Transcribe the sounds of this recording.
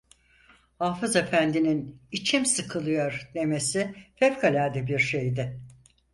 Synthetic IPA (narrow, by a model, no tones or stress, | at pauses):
haːfɯze̞fænd̪ininit͡ʃʰimsɯkʰɯlˠɯjo̞ɾd̪e̞me̞sifɛvkʰalʲaːd̪ɛbiɾʃe̞jd̪ɪ